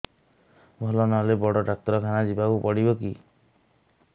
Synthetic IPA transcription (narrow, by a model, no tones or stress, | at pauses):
bʱɔlɔnɔlebɔɽɔʈak̚t̪ɔɾɔkʰanad͡ʒibakupɔɽibɔki